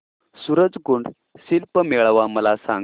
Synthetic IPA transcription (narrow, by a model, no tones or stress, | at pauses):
suɾəd͡zɡuɳɖ | silpəmeɭʋaməlasa̰ŋ